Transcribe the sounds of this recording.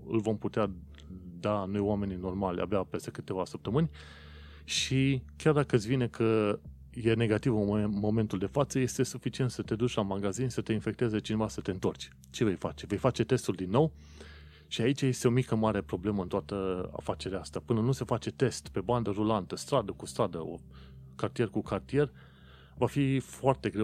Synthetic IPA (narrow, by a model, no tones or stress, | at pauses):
ɨ̰lvo̞mput̪ea | d̪anojwame̞nino̞rmalʲa̰beape̞st̪e̞kɨt̪e̞vasəp̚t̪əmɨnʲ | ʃikʲjard̪akəsvinekʰə | je̞ne̞ɡat̪ivmo̞me̞nt̪uld̪e̞fat̪səje̞st̪e̞sufit͡ʃiet̪sət̪e̞d̪ut͡ʃʲlamaɡazinʲsət̪e̞infe̞k̚t̪ezet͡ʃine̞vasət̪e̞ɨnt̪o̞rt͡ʃʲ | t͡ʃe̞ve̞jfa̰t͡ʃe̞ve̞jfat͡ʃe̞t̪e̞st̪uld̪inːo̞w | ʃiait͡ʃaje̞st̪e̞o̞mikəmaɾe̞pɾo̞ble̞məɨnt̪oat̪əa̰fat͡ʃe̞ɾeaast̪apɨnənuse̞fat͡ʃe̞t̪e̞st̪pe̞band̪əɾulant̪əst̪ɾad̪əkust̪ɾad̪əo̰ | kart̪ije̞rkukart̪ije̞r | vafifoart̪e̞ɡɾew